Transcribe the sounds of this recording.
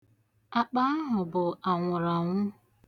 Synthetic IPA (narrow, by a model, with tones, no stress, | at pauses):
a˨k͡pa˦a˦ɦʊ˨bʊ˨ʔa˨ŋʷʊ˨ɾɔ˨ŋʷʊ˦